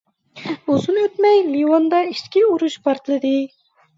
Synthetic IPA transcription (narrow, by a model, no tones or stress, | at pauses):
uzunøt̪mɛjliwɑnd̪ɑiʃkʲiuɾuʃpʰɑɾt̪ɨlˠɨd̪ɨ